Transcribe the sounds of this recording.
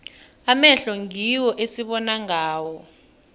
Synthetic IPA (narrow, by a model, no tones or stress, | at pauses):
amɛɬɔŋiwɔʔesiɓɔnaŋaːwɔ